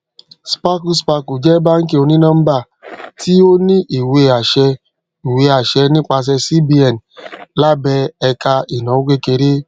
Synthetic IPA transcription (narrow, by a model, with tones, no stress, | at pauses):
spa˦ku˦spa˧ku˨d͡ʒɛ˦ba˦ŋ̩˦k̬e˦˨o˧ni˦nã˦m̩˦ba˦˨ | ti˦o˦ni˦ʔi˨we˨a˨ʃɛ˧ | i˨we˦a˨ʃɛ˧ni˦k͡pa˧s̬ɛ˧si˦bi˦ɛ˨n˨la˦bɛ˧ɛ˧ka˧i˨nɔ˨˦o˦kʷe˦ke˨ɾe˦